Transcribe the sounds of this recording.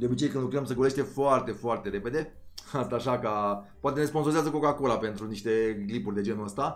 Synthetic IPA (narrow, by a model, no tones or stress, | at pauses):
d̪eo̞bit͡ʃe̞jkɨnd̪lukɾəmsəɡole̞ʃt̪efoart̪e̞foart̪e̞ɾe̞pe̞d̪e̞ast̪aːʃakapoat̪e̞ne̞sponsoizazəkokakolape̞nt̪ɾuniʃt̪e̞ɡlipurʲd̪e̞d͡ʒe̞nuəst̪a